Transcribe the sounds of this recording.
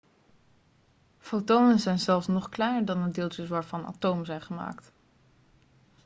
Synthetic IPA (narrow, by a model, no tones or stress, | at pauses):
fowtownənzɛjnzɛlˠfsnɔχklɛjnəɹdɑnəndɪːlˠt͡ʃəsʋaːɹvɑna̰towmzɛjnχəma̰ːkt